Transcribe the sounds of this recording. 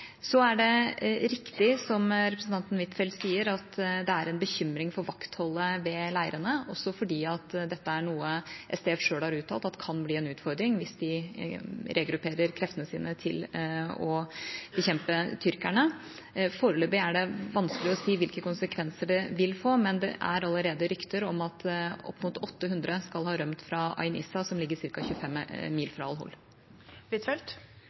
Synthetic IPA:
sɔæɖɛɾɪkt̪ɪsɔmɾɛpɾəsn̩t̪ɑnt̪n̩ʋɪt̪fɛlt̪siːəɾɑt̪d̪ɛæɾɛnbəçʏmɾɪŋfɔɾʋɑkt̪hɔlːəʋɛlæɪəɾənəɔ̰sːɔfɔɖiːɑt̪d̪ɛt̪ːəæɳuːəʔɛst̪eɛfʂøːlhɑɾʉːt̪ʰːɑːlt̪ɑt̪ːkʰɑnbliːɛnʉːt̪fɔɾd̪ɾɪŋʋɪsd̪ɪ | ɾɛɡɾʉpʰeːɾəɾkʰɾɛft̪ənəsḭːnət̪ʰɪ̰lɔb̥əçɛmpət̪ʰʏɾkæɳə | foːɾəløːbɪæɖɛʋɑnskəlɪɔsiːʋɪlkəkʊnsəkʰʋɛnsəɖɛʋɪlfoːmɛnd̪ɛ̰ʔæ̰ɾɑlːəɾeːd̪əɾʏkt̪əɾɔmɑt̪ɔ̰pːmʊt̪ʰɔt̪ːəɦʉnd̪ɾəskɑlhɑːɾœmt̪fɾɑɑ̰ɪnɪ̰sɑsɔmlɪɡːəɾsɪɾkɑçʉːfɛmːiːlfɾɑɑlɦɔ̰l | ʋɪt̪ʰɛlt̪

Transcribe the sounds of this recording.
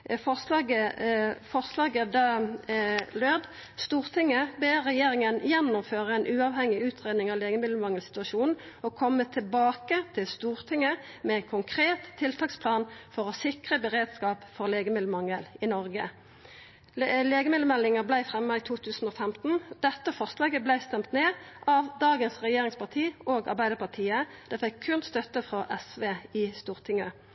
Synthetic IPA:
fɔəfɔʁslɑːɡəd̪ɑ | løːd̪ | st̪uːʁt̪ʰɪŋːəbeʁɛjeːʁɪŋənjɛnːʊmføːʁəɛnʔʉːɑʋhɛŋɪʉːt̪ʰʁeːd̪nɪŋɑːʋleːɡəmɪd̪ləmɑŋːəlsɪ̥t̪ʉɑʃuːnn̩ | ɔkʰɔmːət̪ʰɪlbɑːkət̪ʰɪlst̪uːʁt̪ʰɪŋːəmɛæɪnkʰʊŋkʰʁeːt̪ʰːɪlt̪ʰɑːkspʰlɑːnfɔʁɔsɪkʁəbəʁeːd̪skɑːpfɔʁleːɡəmɪd̪əmɑŋəlɪnɔʁɡə | leːɡəmɪd̪əmɛlːɪŋəblæɪfʁɛmːəit̪ʰuːt̪ʰʉːsn̩oːfɛmt̪n̩d̪̥ɛt̪ːəfɔʁslɑːɡəblæɪst̪ɛmt̪neːʔɑʋd̪ɑːɡənsʁɛjeːʁɪŋspɑʁt̪ʰiːoːɡɑ̰ʁbæɪd̪əpɑʁt̪ʰiːəd̪̥ɛfɛkʰːʉnst̪œt̪əfʁɔʔɛsʋeːɪst̪uːʁt̪ʰɪŋə

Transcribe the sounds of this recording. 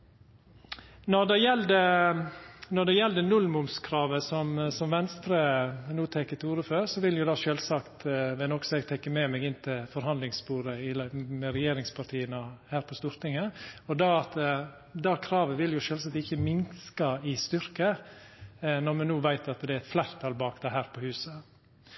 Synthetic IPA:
nɔɾd̪ɛjɛld̪ə | nɔɖ̪ɛjɛld̪ənʉlmʊmskʰɾɑːʋəsɔmsɔmʋɛnst̪ɾənuːt̪ʰɛkːət̪ʰɪuːɾəføːɾsɔʋɪljʊd̪ɑːʃøːlsɑkt̪ʋɛnɔksɔɛɡt̪ʰɛkːəmɛmɛɡɪnt̪ʰɪlfɔɾhɑnd̪lɪŋspuːɾəɪlmɛɾɛjeːɾɪŋspʰɑʈ̪ʰiːənəhæːɾpʰɔst̪uːɾt̪ɪŋːəɔd̪ɑɑt̪ | d̪ɑːkʰɾɑːʋəʋɪljʊʃøːlsɑkt̪ɪçːəmɪnskɑɪst̪ʏɾkə | nɔɾmɛnuːʋæɪt̪ɑt̪d̪ɛæɾɛt̪flæɾt̪ʰɑlbɑːkd̪ɛɦæːɾpʰɔhʉːsə

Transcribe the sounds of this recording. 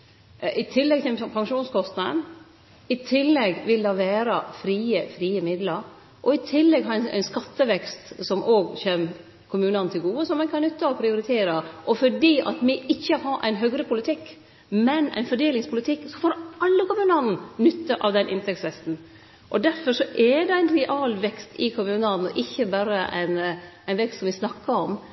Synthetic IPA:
ʔɪt̪ʰɪlːɛɡ̚t̪ʰɪlɔpʰɑŋʃuːnskʰɔst̪nɑd̪ə̰n | ɪt̪ʰɪlːɛɡʋɪld̪ɑʋæːɾəfɾiːəfɾiːəmɪd̪lɑɾ | ʔɔɪt̪ʰɪlːɛɡɦɑɾæ̰ɪnskɑt̪ːəʋɛkst̪sɔmʔoːɡçeːm | kʰʊmʉːnɑnət̪ʰɪlɡuːəsɔmːɛnkʰɑnnʏt̪ːəɔpʰɾɪʊɾɪt̪ʰeːɾɑʔɔfɔɖiːʔɑ̰t̪mɪɪçːəhɑːʔæ̰ɪnɦœɡɾəpʰʊlɪt̪ʰɪkː | mɛnæ̰ɪnfɔɖeːlɪŋspʰʊlɪt̪ʰɪkːsɔfoːɾɑlːəkʊmʉːnɑnn̩nʏt̪ːəʔɑ̰ʋd̪ɛnʔɪ̰nt̪ɛktsʋɛst̪n̩ | ʔɔd̪æɾfɔʂɔʔɛd̪ɛæɪnɾɛʔɑːlʋɛkst̪ɪkʰʊmʉːnɑnn̩ɔ̰ʔɪçːəbæɾəʔæ̰ɪnæɪnʋɛkst̪sɔmʋɪsnɑkːɑɔm

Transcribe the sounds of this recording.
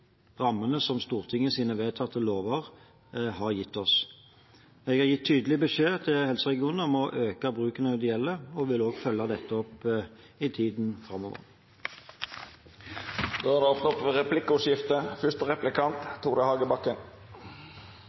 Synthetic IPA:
ʁɑmːənəsɔmst̪uːʁt̪ʰɪŋːəsiːnəʋeːt̪ʰɑt̪ʰːəloːʋəʁ | hɑʁjɪt̪ːɔs | ɛːɡhɑʁjɪt̪ʰːyːd̪əlɪbəʃeːt̪ʰɪlhɛlsəʁɛɡɪuːnəɔmɔʔøːkɑbʁʉːkənəɑd̪ɪɛlːəɔʋɪloːɡfœlːɑd̪ɛt̪ːəɔpː | ɪt̪ʰiːd̪nfʁɑmoːʋə̰ʁ | d̪̥oːhɑd̪ɛɔfnɔpʋəʁɛpʰlɪkːəʉsjɪft̪əfʏʂt̪əʁɛplɪkʰɑnt̪ʰːuːʁd̪əhɑːɡəbɑkːən

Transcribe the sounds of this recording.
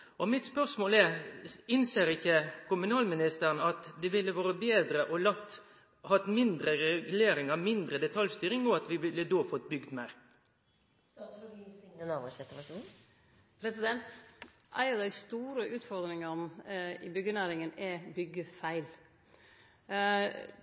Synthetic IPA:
ɔmɪt̪spœʁʂmoːlɛɾɪnseːɾɪçːəkʰʊmʉnɑːlmɪnɪst̪əɾnɑt̪d̪ɛʋɪlːəʋoːɾəbeːd̪ɾəʔɔlɑt̪ː | hɑt̪mɪnd̪ɾəɾɛɡʉleːɾɪŋɑʋmɪnd̪ɾəd̪ɛt̪ʰɑljst̪yːɾɪŋɔɑt̪ʋɪʋɪlːəd̪oːfɔt̪̚bʏɡd̪mæːɾ | nɑʋəsɛt̪ːəʋɑʂun | pʰɾɛsɪd̪ɛnt̪ | ʔæ̰ɪɑʋd̪æɪst̪uːɾəʔʉːt̪fɔɾd̪ɾɪŋənɪbʏɡənæːɾɪŋənɛbʏɡəfæɪl

